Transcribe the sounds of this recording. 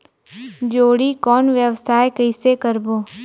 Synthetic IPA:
d͡ʒoːɽikɔːnʋjəʋsaːekəɪsekəɾboː

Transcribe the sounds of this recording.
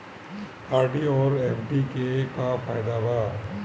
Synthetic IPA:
aːɾɖiɔːɾɛːmɖikekafaːjɪd̪abaː

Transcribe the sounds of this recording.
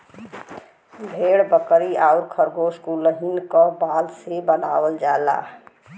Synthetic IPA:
bʱeɽbəkəɾiaʊɾkʰəɾɡoskuləɦinkɔbaːlsebənaːwəld͡ʒaela̰

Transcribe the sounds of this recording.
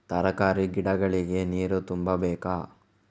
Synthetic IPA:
t̪ɐɾɐkaːɾiɡiɽɐɡɐɭiɡe̞niːɾut̪umbɐbɛːkaː

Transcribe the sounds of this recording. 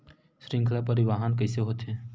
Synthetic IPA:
ʃɾɪ̃ŋkʰlapəɾɪʋaːɦənkɐɦseɦoːt̪ɦɛ̃ː

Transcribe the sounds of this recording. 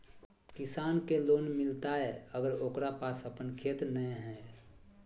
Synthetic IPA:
kɪsaːnkeloːnmɪlt̪aɦɛəɡəɾoːkɾapaːsəpənkʰeːt̪nəɦɛ̃

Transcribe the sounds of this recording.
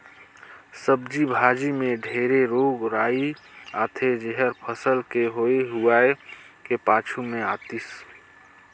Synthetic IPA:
səb̚d͡ʒibʱaːd͡ʒimẽɖʱeːɾeɾoːɡɾaːiaːt̪ʰed͡ʒeɦəɾpʰəsəlkeɦoeɦuaːe | kepaːt͡ʃʰumẽaːt̪is

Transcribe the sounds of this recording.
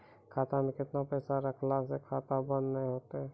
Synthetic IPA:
kʰaːt̪amẽkɪt̪napɛːsaɾəkʰlasekʰaːt̪abənːə̃ɦoːt̪aɦɛ

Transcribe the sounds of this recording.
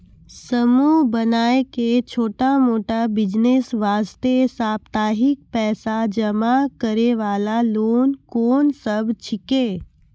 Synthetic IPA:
səmuːɦbənaːeket͡ʃʰoːʈamoːʈabɪd͡ʒnesʋaːst̪esaːpt̪aːɦɪk̚pɛːsad͡ʒəmakəɾeʋaːlaloːnkoːnsəbʱt͡ʃʰɪkeː

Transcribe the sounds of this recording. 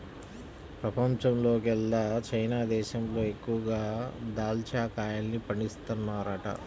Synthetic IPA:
pɾɐpɐmt͡ʃɐmlo̞ːkɛlːaːt͡ʃɐjnaːd̪ɛːʃɐmlo̞ːe̞kːuʋɐɡaːd̪aːlt͡ʃaːkaːjaːlnipɐɳɖist̪unːaːɾaːʈɐ̰

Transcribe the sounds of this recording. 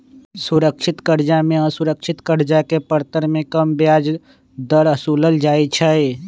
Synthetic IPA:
sʊɾəkʃʰɪt̪kəɾd͡ʒamẽəsʊɾəkʃʰɪt̪kəɾd͡ʒakepəɾt̪əɾmẽkəmbjaːd͡ʒ | d̪əɾəsuːləld͡ʒaːit͡ʃʰəe

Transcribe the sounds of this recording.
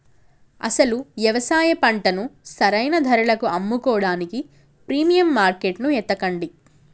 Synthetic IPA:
ɐ̰sɐluʋjɐʋɐsaːjɐpɐɳʈɐnusɐɾɐjnɐd̪ʱɐɾɐɭɐkuɐmːukɔːɽaːniki | pɾiːmijɐmːaːɾkeʈnuɛt̪ːɐkɐɳɖi

